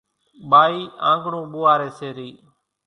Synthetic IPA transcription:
ɓaːiːã̰ːŋɡɽũːɓʊːaːɾeːseːɾiː

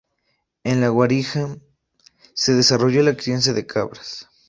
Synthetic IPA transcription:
enlaɣwaɾixa | seðesaroʝolakɾens̬jaðekʰaβɾḁs

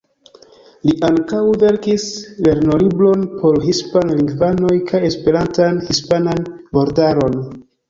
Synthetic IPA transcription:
liʔaŋkawve̞ɾkisle̞ɾno̞liblo̞npʰo̞ɾhispanliŋɡvano̞jkʰaje̞spe̞ɾantanhispananbo̞ɾdaɾo̞n

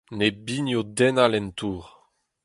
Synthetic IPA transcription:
nebinjod̪ɛnalɛnt̪uːʁ

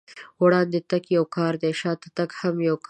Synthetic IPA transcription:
wɽɑːnd̪et̪akjawkɑːɾd̪eʃɑːt̪at̪akhamjawk

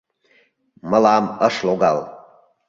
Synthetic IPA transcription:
məlɑməʃloɡɑl

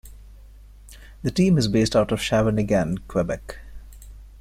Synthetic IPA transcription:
d̪əʈĩːmɪzbeːsʈaʊʈɔʋ̥ʃæʋənɪɡæ̃nkʰwɛbɛk

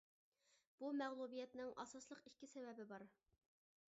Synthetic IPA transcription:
b̥umɛʁlˠubijɛt̪nɪŋʔɑ̰sɑslˠəqikʲːɪsɛwɛbɪbɑɾ

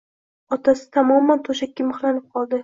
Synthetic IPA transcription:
ɒt̪ʰasɪ̥t̪ʰamɒmːant̪ʰoʃakʲːamɨχlˠanɪp̚qʰɒlˠd̪ɪ

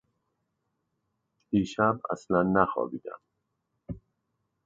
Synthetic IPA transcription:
iːʃæbæ̰slænːæxɒ̰ːbiːd̪æ̰m

